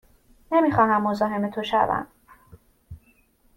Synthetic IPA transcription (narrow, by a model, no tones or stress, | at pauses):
nemiːxɒːɦæmːo̞zɒːɦe̞me̞t̪ʰoʃæ̰væ̰m